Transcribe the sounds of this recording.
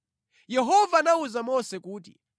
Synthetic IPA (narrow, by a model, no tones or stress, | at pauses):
jɛɦɔvanauzamɔsɛkuːt̬i